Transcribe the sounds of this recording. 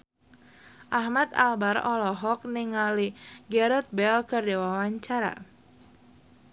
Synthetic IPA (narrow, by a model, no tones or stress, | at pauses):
ʔahmat̪a̰lbarɔlɔɦɔk̚niŋaliɡɛɾɛt̪̚bɛlkərdɛwawaɲt͡ʃaɾa̰